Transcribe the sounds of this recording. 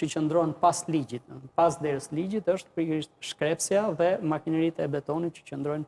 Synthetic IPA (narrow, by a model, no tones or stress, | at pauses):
ət͡ʃənd̪ɾɔɦɛnpaslid͡ʒit̪pasd̪ɛɾəslid͡ʑit̪əʃt̪pəɾiiʃt̪ʃkɾɛpsjaðɛmakinɛɾit̪ɛbɛt̪ɔnit̪̚t͡ʃə̥t͡ʃənd̪ɾɔjn